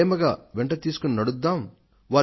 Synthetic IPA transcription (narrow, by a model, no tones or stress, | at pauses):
mɐɡaːʋɛɳʈɐt̪iːsu̥kuninɐɽud̪ːaːm | ʋaː